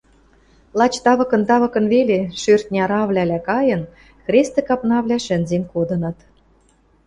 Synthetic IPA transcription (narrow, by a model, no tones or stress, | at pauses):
lˠɑt͡ɕt̪ɑβɤ̆kɤ̆nt̪ɑβɤ̆kɤ̆nβeleʃørt̪̚nʲɑɾɑβlʲælækɑjɤ̆n | xrʲest̪ɘ̆kɑpnɑβlʲæʃɘ̆nzenkod̪ɤ̆nɤ̆t̪